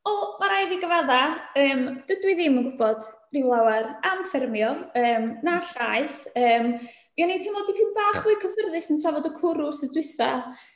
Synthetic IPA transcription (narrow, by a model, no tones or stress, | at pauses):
ɔmaɾajviɡəvaðaəːmd̥ədwɨðɪmənɡʊbɔd̥ | rɪwlˠawaramfɪrmjɔəːmnaɬajθəːm | mianitʰɪmɔdipʰɪnbaːχvɨːkʰəvərðɨsəntʰravɔdəkʰʊɾʊsədwɪθa̰